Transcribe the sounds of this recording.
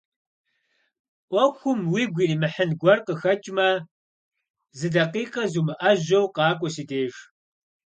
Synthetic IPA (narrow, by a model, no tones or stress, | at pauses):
ʔʷɔxʷʊmwiːɡʷiːniːmɨħənɡʷɔrqəxɐt͡ʃʼmɐ | zɨdɐqiːqɐzuːmɨʔɐʑɐwqɑːkʷʼɔsideːʒ